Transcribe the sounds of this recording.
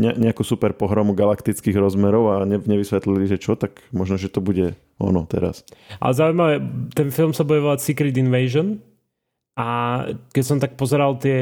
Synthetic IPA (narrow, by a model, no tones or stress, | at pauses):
ɲɛɲɛakusupɛɾpɔɦɾɔmuɡalakt̪it͡skiɣɾɔzmɛɾɔʊaɲɛɲɛʋisʋɛt̪liliʒɛt͡ʃɔt̪akmɔʒnɔʒɛt̪ɔbuɟɛ | ɔ̰nɔt̪ɛ̰ɾa̰sa̰lɛzaːujmaʋɛt̪ɛnfilˠmsabɔjɔʋalsikɾit̪inʋɛɪʒɔn | ʔakɛcsɔmt̪ak̚pɔzɛɾalˠt̪ɪɛ